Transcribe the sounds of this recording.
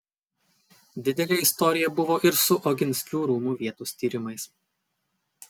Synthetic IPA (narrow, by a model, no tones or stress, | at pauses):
d̪ʲɪd̪ʲɛlʲeɪst̪ɔɾʲɪjɛbʊʋoːʔɪɾsʊʔɔɡʲɪnʲsʲkʲuːɾuːmuːʋʲiɛt̪uːst̪ʲiːɾʲɪmɐɪs